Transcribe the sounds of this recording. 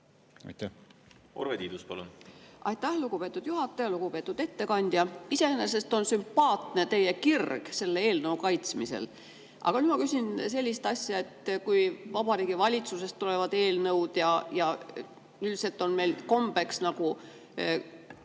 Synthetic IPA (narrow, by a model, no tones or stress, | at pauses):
ɑ̰jt̪ːæ | o̰ɾvet̪iːd̪uspɑ̰lṵnʔɑ̰jt̪ːæhluɡ̥upe̞ːt̪ːˑud̪̥juɦɑt̪ːˑɑjɑluɡ̥upe̞ːt̪ːˑud̪e̞t̪ːe̞kɑnʲd̪̥ʲjɑise̞enes̬e̞st̪o̞nsympɑːt̪ne̞t̪e̞jekirɡ̥se̞lːeeːlnɤukɑjt̪smisḛl | ʔɑ̰ɡ̥ɑnymɑkysʲinse̞lʲːist̪ɑsʲjɑet̪kujvɑb̥ɑɾiːɡ̥ivɑlʲit̪suse̞st̪ːule̞vɑd̪e̞ːlnɤwd̪̥jɑjɑ | ylse̞lt̪ːˑo̞nme̞jlko̞mbe̞ksnɑɡu